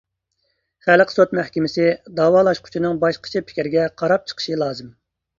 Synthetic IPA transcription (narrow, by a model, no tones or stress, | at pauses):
χælqsot̪mæhkʲimɪsɪd̪ɑːwɑːlˠɑʃqʰʊ̥t͡ʃʰinɨŋbɑʃqʰə̥t͡ʃʰipʰi̥kʲiɾɪɡʲɛqʰɑɾɑp̚t͡ʃʰə̥qʰə̥ʃilˠɑːzɨm